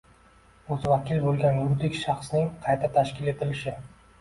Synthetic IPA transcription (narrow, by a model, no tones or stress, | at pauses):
ɵzvakʲɪlbolˠɡʲanjʊd̪ɪkʲʃɑχsnɪŋqʰɑjt̪ʰat̪ʰaʃkʲɪle̞t̪ʰɪlɪʃɪ